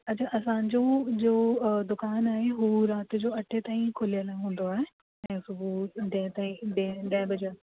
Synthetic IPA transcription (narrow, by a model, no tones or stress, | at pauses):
ɐt͡ɕʰaʔɐsãːɲd͡ʑod͡ʑod̪ʊkaːnaːɦeɦuɾaːt̪ɪd͡ʑoːɐʈʰet̪aːĩkʰolijəlɦũːn̆d̪oaːɦe | ɛ̃ːsʊbʱuɖɐ̃t̪aːĩɗeɖɐ̃bɐd͡ʑəl